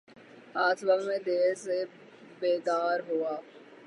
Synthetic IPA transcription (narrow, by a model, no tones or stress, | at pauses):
aːsbəʋmẽd̪eːɾse | beːd̪aːɾɦuaː